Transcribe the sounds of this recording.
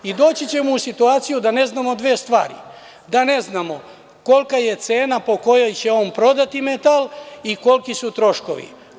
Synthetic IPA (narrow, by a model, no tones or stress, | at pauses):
id̪o̞ːt͡ɕit͡ɕe̞mousit̪uaːt̪sijud̪ane̞znamo̞d̪ʋeːst̪ʋa̰ːɾḭ | d̪ane̞znamo̞ | ko̞lkaje̞t̪se̞ːnapo̞ko̞jo̞jt͡ɕe̞o̞ːnpɾo̞d̪at̪imet̪aliko̞lkisut̪ɾo̞ʃko̞̰ʋḭ